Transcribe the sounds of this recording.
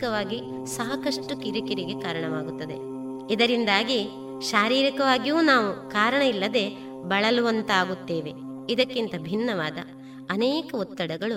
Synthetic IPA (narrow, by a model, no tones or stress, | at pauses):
kɐʋaːɡi | saːɦɐkɐʂʈukiɾikiɾiɡe̞kaːɾɐɳɐʋaːɡut̪ːɐd̪e̞ | id̪ɐɾind̪aːɡi | ʃaːɾiːɾikɐʋaːɡijuːnaːʋukaːɾɐɳɐilːɐd̪e̞ | bɐɭɐluʋɐnt̪aːɡut̪ːe̞ːʋe̞id̪ɐkːint̪ɐbʱinːɐʋaːd̪ɐ̰ː | nɛːkɐut̪ːɐɽɐɡɐɭu